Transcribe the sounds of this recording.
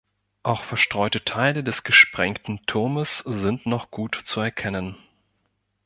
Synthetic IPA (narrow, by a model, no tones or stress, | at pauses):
ʔaʊxfɛɐʃtʁ̥ɔʏtətʰaɪlədɛsɡ̥əʃpʁ̥ɛŋktn̩tʰʊɐməsz̥ɪntnɔχɡ̥uːtt͡suɛɐkʰɛnən